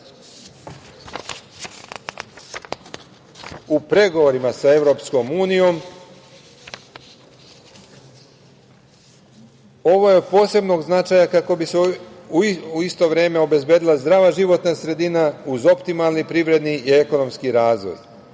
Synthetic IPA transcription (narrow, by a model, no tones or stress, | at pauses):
upɾe̞ɡoʋoɾimasae̞vɾo̞psko̞muːnijo̞m | o̞ʋo̞jeopo̞ːse̞bno̞ɡznat͡ʃaːjakako̞biseuuist̪o̞ʋɾeːme̞o̞be̞zbje̞ːd̪ilazd̪ɾaːʋaʒiʋo̞t̪nasɾe̞d̪inauzo̞pt̪imalnipɾiʋɾe̞d̪niie̞ko̞no̞mskiɾaːzʋo̰j